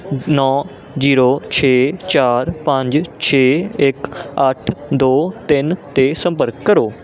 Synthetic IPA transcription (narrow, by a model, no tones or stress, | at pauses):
nɔː | d͡ʒiːɾoːt͡ʃʰeːt͡ʃaːɾpə̃ɲd͡ʒt͡ʃʰeːɪkəʈʰd̪oːt̪ɪnt̪eːsə̃mpəɾkːəɾoː